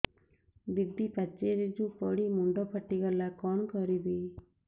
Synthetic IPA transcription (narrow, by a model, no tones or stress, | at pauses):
bid̪ipat͡ʃeɾid͡ʒupɔɽimuɳɖɔpʰaʈiɡɔlakɔnkɔɾibi